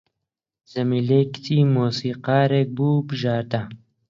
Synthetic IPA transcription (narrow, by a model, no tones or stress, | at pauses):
zɐmiːlekt̪ʰiːmoːsiːqɑːɾeːk̚buːbɨʒaːɾt̪ɐ